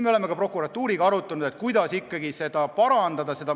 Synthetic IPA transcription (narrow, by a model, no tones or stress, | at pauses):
meole̞mːe̞kɑpro̞kːˑuɾɑt̪ːˑuːɾiɡ̥ɑɑɾut̪ːˑɑnud̪e̞t̪̚ˑkujd̪̥ɑsikːɑɡise̞d̪̥ɑpɑɾɑnd̪ɑd̪ɑse̞d̪ɑ